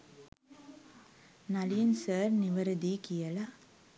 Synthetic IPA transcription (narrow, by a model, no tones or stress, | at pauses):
nɐlɪjɐnsɐːɾnɪʋɐɾɐd̪ikijɐla